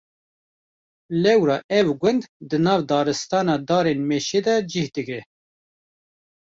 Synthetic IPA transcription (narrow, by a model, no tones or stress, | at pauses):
lɛwɾɑːʔɛvɡʷʊnd̪d̪ɨnɑːvd̪ɑːɾɨst̪ɑːnɑːd̪ɑːɾenmeːʃeːd̪ɛd͡ʒihd̪ɨɡɾɛ